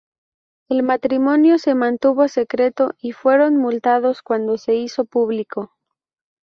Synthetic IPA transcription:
elmat̪ɾimõ̞njo̞se̞mãnt̪uβo̞se̞kɾe̞t̪o̞ifwe̞ɾo̞nmult̪að̞o̞skwand̪o̞se̞iso̞puβliko̞

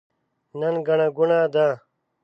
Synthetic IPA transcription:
nɐnɡɐɳaɡunaːd̪ãː

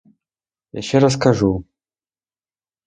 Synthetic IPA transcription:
ja̰ʃeɾaskʰaʐu

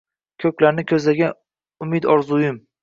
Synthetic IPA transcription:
kʲʰɵkʲlaɾnɪkʲʰɵzlaɡʲan | ʊmɪd̪ɒɾzʊjɪm

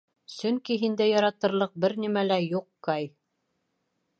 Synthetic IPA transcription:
sɵ̆ŋkiɦind̪æjɑɾɑt̪ɤ̆ɾlˠɤq̚bɘɾnimælæjuqːɑj

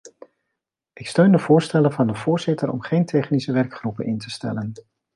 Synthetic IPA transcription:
ʔɪkstøɥndəvʊːɹstɛlənvɑndəv̥ʊːɹzɪtəɾɔ̰mχejntʰɛχnisəʋɛɹkχrupənɪntəstɛ̰lən

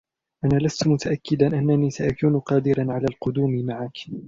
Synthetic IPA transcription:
ʔanaːlast̪mʊt̪aʔakːɪd̪anʔanːaniːsaʔakuːnʊqɑːd̪ɪɾanʕalaːlqʊd̪uːmɪmaʕak

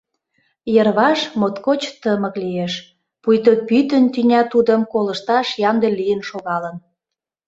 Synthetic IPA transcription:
jərβɑʃmot̪kot͡ɕt̪əmə̆klieʃ | pujt̪opyt̪ənt̪ynʲɑt̪ud̪ə̆mkoləʃt̪ɑʃjɑnd̪elijənʃoɣɑlən

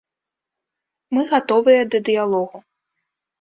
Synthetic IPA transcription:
mɨɣat̪ɔvɨjɐd̪ɐd̪ɨjalˠɔɣu

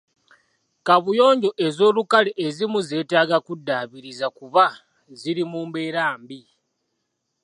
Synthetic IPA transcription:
kaβujo̞ːɲɟo̞ʔe̞zo̞ːlukaleʔezimuze̞ːtaːɡakudːaːβiɾizakuβa | ziɾimuːmbe̞ːɾaːmbi

